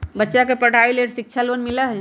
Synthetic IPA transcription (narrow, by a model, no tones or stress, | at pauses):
bətːʃakepəɽ̤ʱaileʈsik̚t͡ʃʰalənmiləɦɛ